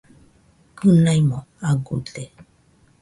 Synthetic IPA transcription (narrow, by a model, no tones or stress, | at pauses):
kɨnajmoaɡute